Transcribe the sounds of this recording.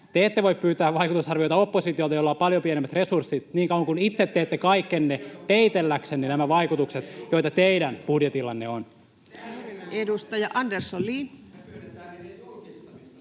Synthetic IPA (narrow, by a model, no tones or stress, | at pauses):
t̪eet̪ːeʋo̞ippyːt̪æːʋɑikut̪usɑrʋiojt̪ɑopːosit̪iolt̪ɑjolːɑːpɑljopienemːæt̪resursːit̪niːŋkɑuwɑŋkunit̪set̪ːeːt̪ːekɑikːenːet̪eit̪elːækseninæmæʋɑikut̪ukset̪jo̞it̪ɑt̪eidænpudjet̪ilːɑnːeon | edust̪ɑjɑʔɑndersolːiː